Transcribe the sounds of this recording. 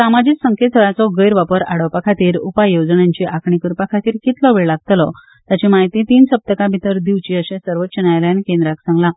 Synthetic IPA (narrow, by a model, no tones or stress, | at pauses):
samad͡ʑiːksəŋkʰesʰəɭat͡sɔɡəjɾʋapəɾaɽəwpakʰat̪iːɾupajːod͡zɳjaɲt͡ɕiʔakʰɳikuɾpakʰat̪iːɾkit̪lɔʋeɭlaɡ̚t̪lɔ | t̪jat͡ɕimaɦit̪iːt̪iːnsəp̚t̪əkabʱit̪əɾd̪iʋt͡ɕiːəɕẽsəɾʋət̪t͡ɕənajljanikẽnd̪ɾaksãŋɡla